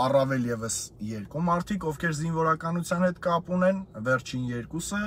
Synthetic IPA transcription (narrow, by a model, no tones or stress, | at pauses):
ɑrɑvɛljɛvəsjɛɾkumɑɾt̪ʰikɔvkʰɛɾzinvɔɾɑkɑnut͡sʰjɑnhɛt̪kɑpunɛnvɛɾt͡ʃʰinjɛɾkusə